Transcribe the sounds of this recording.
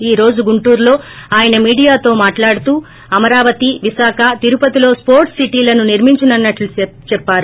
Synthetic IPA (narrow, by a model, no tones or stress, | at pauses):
iːɾo̞ːd͡ʒuɡuɳʈuːɾlo̞ːaːjɐnɐmiːɽijaːt̪o̞ːmaːʈlaːɽut̪uː | ɐmɐɾaːʋɐt̪iʋisaːkʰɐt̪iɾupɐt̪ilo̞ːspo̞ːɾʈsiʈiːlɐnuniɾmiɲt͡ʃinɐnːɐʈlu | t͡ʃɛpːaːɾu